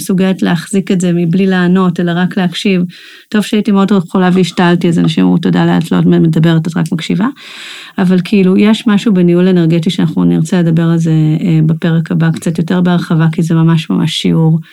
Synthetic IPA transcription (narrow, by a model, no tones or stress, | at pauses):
esuɡeletleaχz̥iketze̞miblileːno̞te̞laʁakleakʃiv | to̞v̥ʃeaitimeo̞dχolaveiʃtaltiazanaʃima̰utodalea̰tlo̰memedabe̞ʁetatʁa̰kmakʃiva | avalkʰiilujeʃmaʃubeniule̞neʁɡet̬iʃeanaχnuniʁt͡sele̞dɐbe̞ʁalze̞bepe̞ʁekabakt͡satjo̞te̞ʁbeaʁχavakizemamaʃma̰ma̰ʃːḭuʁ